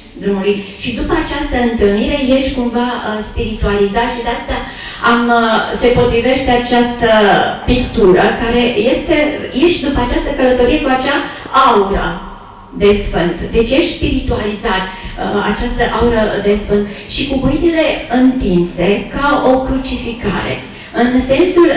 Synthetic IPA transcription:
d̪ɾumulujʃid̪upəat͡ʃast̪əɨnt̪ɨlniɾe̞je̞ʃkumvaəspiɾit̪ualizat̪ʃid̪east̪ea | amse̞po̞t̪ɾive̞ʃt̪e̞at͡ʃast̪əpikt̪uɾə̰kaɾe̞je̞st̪e̞je̞ʃd̪upəat͡ʃast̪əkələt̪o̞ɾijekuat͡ʃa | auɾə̰ | d̪e̞sfɨnt̪d̪e̞t͡ʃje̞ʃt̪spiɾit̪ualizat̪a̰t͡ʃast̪əʔauɾəd̪e̞sfɨnt̪ʃikubuinile̞ɨnt̪inse̞kao̞kɾut͡ʃifika̰ɾe̞̰ | ɨnse̞nsul

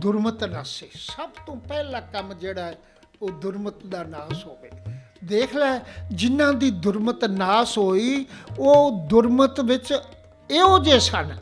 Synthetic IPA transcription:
d̪ʊɾmət̪naːseːsəbt̪õːpɛːlãːkəmd͡ʒeːɽaːɛː | oːd̪ʊɾmət̪d̪aːnaːsɦoːʋḛː | d̪eːkʰlɛːd͡ʒɪnãːd̪iːd̪ʊɾmət̪naːsɦoːiːoːd̪ʊɾmət̪ʋɪt͡ʃ | eːɦoːd͡ʒeːsən

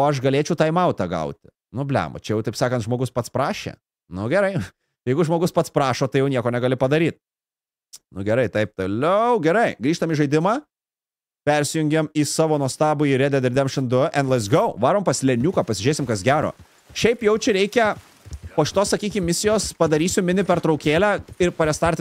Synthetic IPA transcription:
oːɐʃɡɐlʲeːt͡ʃʲɛʊt̪ɑːɪmɐʊt̪ɑɡɐ̰ʊt̪ʲɪ | nʊbʲlʲæ̰ːmo̰t͡ʃʲɛjɛʊt̪ɐɪpsɑːkɐnt̪ʒmoːɡʊspɐt̪spɾɑːʃʲḛː | nʊɡʲɛɾɐɪ | jɛɪɡʊʒmoːɡʊspɐt̪spɾɑːʃoːt̪ɐɪjɛʊnʲiɛkoːnʲɛɡɐlʲɪpɐd̪ɐɾʲiːt̪̚ | nʊɡʲɛɾɐɪt̪ɐɪp̚t̪oːlʲɛʊɡʲɛɾɐɪɡɾʲiːʃt̪ɐmiʒɐɪd̪ʲɪmɑː | pʲɛɾʲsʲɪjʊŋʲɡʲɛmiːsɑːʋoːnuɔst̪ɑːbʊiːɾʲɛd̪ʲɛd̪ʲɪɾʲd̪ʲeːmʃɪnd̪ʊʔɛnlˠɐsɡɐʊʋɑːɾoːmpɐsʲlʲɛnʲuːkɐpɐsʲɪʒʲeːsʲɪmkɐsɡʲæːɾo̰ː | ʃʲɛɪpjɛʊt͡ʃʲɛɾʲɛɪkʲɛ | poːʃɪ̥t̪oːsɐkʲiːkʲɪmmʲɪsʲɪjoːspɐd̪ɐɾʲiːsʲʊmʲɪnʲɪpʲɛɾt̪ɾɒʊkʲeːlʲæːɪɾpɐɾʲɛst̪ɐɾʲt̪ʲɪ

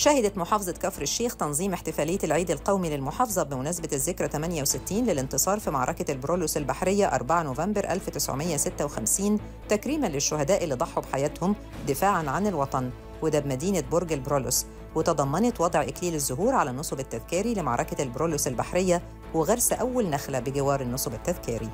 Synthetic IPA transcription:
ʃæhɪd̪æt̪moħɑːfɑzˤɑt̪kæfɾɪʃːeːxt̪ɑnzˤiːmɪħt̪ɪfæːlɪjːælʕiːd̪ɪlqɑwmilɪlmoħɑːfɑzˤɑbɪmʊnæːsabæt̪zːɪkɾˤæt̪æmænjæwsɪt̪ːiːnlelɪnt̪ɨsˤɑːɾˤfima̰ʕɾˤɑ̰kalbɾoːlosɪlbaħɾɪjːæʔɑ̰ɾˤbaʕanoːvæmbɪɾʔæ̰lfwet̪ɪsʕo̰mɪjːæsɪt̪ːæwexæmsiːn | t̪ækɾiːmænlɪʃːʊhæd̪æːʔɪlːid̪ˤɑħːubħajæːt̪hʊm | d̪ɪfaːʕanʕanɪlwɑt̪ˤɑn | wed̪æːbmæd̪iːnæboɾɡælbɾolos | wet̪ɑd̪ˤɑmːɑnet̪wɑd̪ˤʕʔɪkliːlezːʊɦuːɾʕalænːosˤobɪt̪ːæðkiːɾilɪma̰ʕɾˤɑ̰kælbɾoːlosɪlbaħɾɪjːæ | weɣɑɾˤsæʔæwːælnæxlæbɪɡɪwɑːɾˤɪnːosˤobɪt̪ːæðkiːɾi

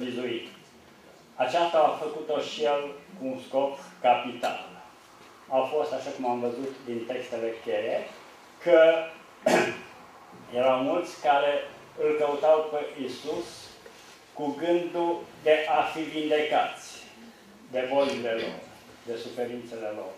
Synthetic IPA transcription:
vizuit̪ | at͡ʃast̪aːfəkut̪oʃijelkuːnsko̞kkapit̪a̰l | afo̞st̪aʃakumamvəzut̪d̪int̪e̞kst̪e̞lekʲeɾe | kə | jeɾawmult̪sʲkaɾe̞ | ɨlkəut̪awpeʔinsus | kuɡɨnd̪ud̪e̞ʔafivind̪e̞kat̪sʲ | d̪e̞volile̞lo̞̰r | d̪e̞sufe̞ɾint̪se̞le̞lo̞̰r

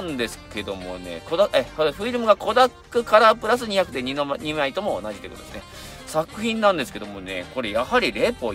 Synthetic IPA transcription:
nd̪e̞sɨ̥ke̞d̪o̞̰mo̞̰ne̞̰kod̪aekoɸɯ̟iɾɯ̟mɯ̟ɡako̞d̪akːɯ̟kaɾapɯ̟ɾas̬ɨɲ̟içakɯ̟d̪e̞ɲ̟iɲ̟imait̪omo̞̰ːnaʑit̪oekɯot̪o̥esɨne | sakɯ̟çĩnːãnd̪e̞sɨ̥ke̞d̪o̞mo̞ne̞̰ko̞ɾe̞jahaɾʲiɾe̞ːpo

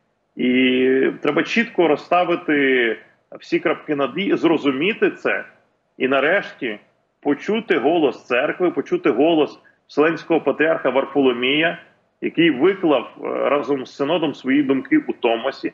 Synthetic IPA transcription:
it̪ɾɛbɐt͡ʃit̪kɔɾɔst̪ɑʋɪt̪ɪ | wsʲikɾɐp̚kɪnɐd̪ʲizrɔzʊmʲit̪ɪt̪sɛ | inɐɾɛʃtʲi | pɔt͡ʃut̪ɪɦɔlˠɔst̪sɛrkʋɪpɔt͡ʃut̪ɪɦɔlˠɔs | wsʲelˠɛnʲsʲkɔɦɔpɐt̪ɾʲiɑrxɐʋɐrfɔlˠɔmʲijɐ | jɐkɪjʋɪklˠɐwɾɑzɔmssːɪnɔd̪ɔmsʋɔjid̪ʊmkɪʔut̪ɔmɔsʲi

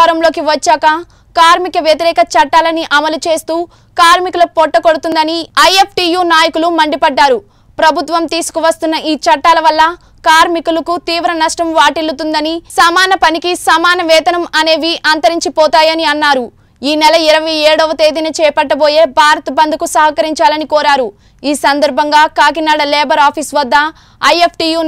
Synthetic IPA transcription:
ɾɐmlo̞ːkiʋɐt͡ʃːaːkɐ | kaːɾmikɐʋjɐt̪iɾɛːkɐt͡ʃɐʈːaːlɐniʔɐmɐlut͡ʃe̞ːst̪uː | kaːɾmikulɐpɔʈːɐkoɽut̪und̪ɐniɐjepʰʈiːjuːnaːjɐkulumɐɳɖipɐɖːaːɾu | pɾɐbʱut̪ʋɐmt̪iːsu̥kuʋɐst̪unːɐʔiːt͡ʃɐʈːaːlɐʋɐlːɐ | kaːɾmikulɐkut̪iːʋɾɐnɐʂʈɐmʋaːʈilːut̪und̪ɐnisɐmaːnɐpɐnikisɐmaːnɐʋɛːd̪ɐnɐmɐne̞ːʋiʔaːnt̪ɐɾiɲt͡ʃipɔːt̪aːjɐniɐnːaːɾu | iːnɛlɐiɾɐʋɐjeːɽɔːʋɐt̪e̞ːd̪inɐt͡ʃɛːpɐʈːɐboːjeːbʱaːɾɐt̪ɐbɐnd̪ukusɐɦɐkɐɾiɲt͡ʃaːlɐnikɔːɾaːɾu | iːsɐnd̪ɐɾbʱɐŋɡaːkaːɡinaːɽɐlɛːbɐɾaːpʰiːsʋɐd̪ːɐ | ɐjepʰʈiːjuː

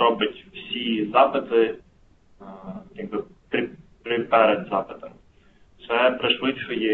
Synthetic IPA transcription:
ɔbɐtʲwsʲizɑpɪt̪ɪ | jaɡ̚bɨ | pɾʲɪpɾɪpɛɾɛd̪zɑpɪt̪ɐm | t̪sɛpɾɪʃʋɪtʲt͡ʃɔjɛ

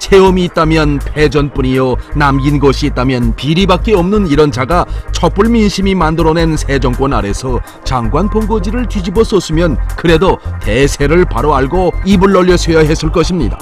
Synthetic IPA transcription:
t͡ɕʰeʌmiːt̚t͈amjʌnpʰe̞d͡ʑʌnp͈uɲijonamɡinɡʌɕʰiːt̚t͈amjʌnpiɾibak͈eʌmnɯniɾʌnd͡ʑaɡat͡ɕʰʌp͈uɭminɕʰimimandɯɾʌne̞nsʰe̞d͡ʑʌŋk͈wʌnaɾe̞sʰʌ | t͡ɕaŋɡwanpoŋɡod͡ʑiɾɯɭt͡ɕɥid͡ʑibosʰʌs͈ɯmjʌnkɯɾe̞dote̞sʰe̞ɾɯɭpaɾoaɭɡoibuɭːʌʎːʌsʰojaɦe̞s͈ɯɭk͈ʌɕʰimɲida

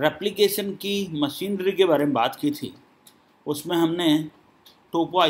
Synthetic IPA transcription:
ɾɛːplikeːʃənkimɐʃiːnɾikebaːɾemẽba̰ːt̪kit̪ʰḭː | ʊsmẽɦɐmne | ʈoːpoaː

